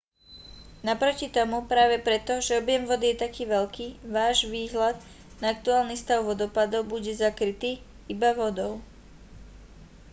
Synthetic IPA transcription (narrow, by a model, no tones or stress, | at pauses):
napɾɔcit̪ɔmupɾaːʋɛpɾɛt̪ɔʒɛɔbjɛmʋɔd̪ijɛt̪akiːʋɛʎkiːʋaːʒʋiːɦlad̪ | naak̚t̪uaːlnist̪aʊʋɔd̪ɔpad̪ɔʊbuɟɛzakɾit̪iː | ibaʋɔd̪ɔʊ